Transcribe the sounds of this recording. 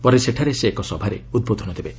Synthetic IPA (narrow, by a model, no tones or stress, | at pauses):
pɔɾeseʈʰaɾeseːkɔsɔbʱaɾḛud̪̚bod̪ʱɔnɔd̪ʰebe